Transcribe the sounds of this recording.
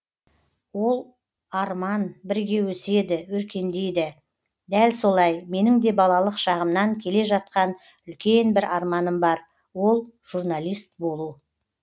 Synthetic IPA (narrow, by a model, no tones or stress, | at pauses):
wo̞lˠ | ɑɾmɑnbɪɾɡʲe̞wɵse̞d̪ɪwɵɾkʲe̞nd̪e̞jd̪ɪ | d̪ælso̞lˠɑjme̞nɪŋd̪e̞bɑlˠɑlˠəqʃɑʁəmnɑŋkʲʰe̞le̞ʒɑt̪̚qɑn | ʏlkʲe̞nbɪɾɑɾmɑnəmbɑɾ | wo̞lˠʒ̥urnalʲˠijst̪̚bo̞lˠu